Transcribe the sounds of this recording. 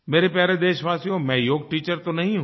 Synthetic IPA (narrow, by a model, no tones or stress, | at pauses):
meːɾepjaːɾed̪eːʃʋaːsijõmɛ̃joːɡ̚ʈiːt͡ʃəɾt̪onɐɦĩɦũː